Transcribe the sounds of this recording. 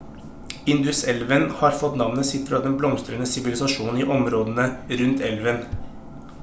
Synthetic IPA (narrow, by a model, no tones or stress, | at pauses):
ɪnd̪ʉsɛlʋənhɑːɾfɔt̪nɑʋnəsɪt̪ːɾəɑːd̪ɛnblɔmst̪ɾənəsɪʋɪlɪsɑʂuːn̩iːʔɔmɾoːd̪ənəɾʉnt̪ʰɛlʋən